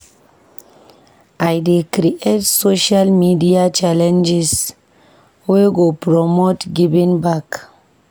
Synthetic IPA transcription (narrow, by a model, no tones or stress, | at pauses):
ʔajdekɾiʔetsoʃalmidiat͡ʃalɛ̃nd͡ʒis | weɡopɾɔmotɡivĩŋbak